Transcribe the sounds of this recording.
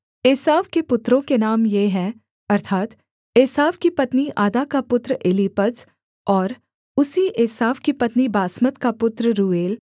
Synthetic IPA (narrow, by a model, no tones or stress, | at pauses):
eːsaːʋkepʊt̪ɾõkenaːmjeɦɛ̃ | ɐɾt̪ʰaːt̪ | eːsaːʋkipɐt̪niʔaːd̪akapʊt̪ɾeːliːpəd͡ʒ | ɔːɾ | ʊsiʔeːsaːʋkipɐt̪nibaːsmət̪kapʊt̪ɾɾuːeːl